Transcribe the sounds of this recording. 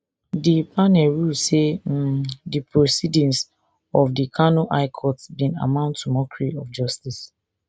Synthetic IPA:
dipʰanɛlɹulsem̩dipʰɹosidĩns | ɔfdikʰanoʔaɪkʰɔtsbĩna̰mãʊ̃ntːumɔkɹiɔfd͡ʒɔstis

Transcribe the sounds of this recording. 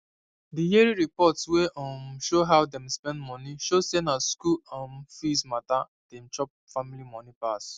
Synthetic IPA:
dijieɹiɹipɔtsweʔɔ̃mʃoɦawdɛ̃mspɛ̃ndmɔ̃niʃosenaskuãnfismata | d̥ɛ̃mt͡ʃɔp̚familimɔnipas

